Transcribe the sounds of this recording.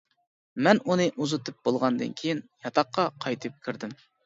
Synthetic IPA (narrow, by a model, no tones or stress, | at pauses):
mɛnunɨʔuzɨt̪ʰɨp̚b̥olˠʁɑnd̪ɨ̰nkʲʰejinjɑt̪ʰɑqːɑqʰɑjt̪ʰɨp̚kʲʰiɾd̪ɪm